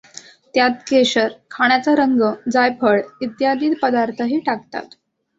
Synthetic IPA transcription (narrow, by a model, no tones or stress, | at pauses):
t̪jat̪̚keɕəɾkʰaɽ̃jat͡saɾəŋɡəd͡zajpʰəɭit̪jad̪iːt̪pəd̪aɾt̪ʰəɦiːʈakt̪a̰t̪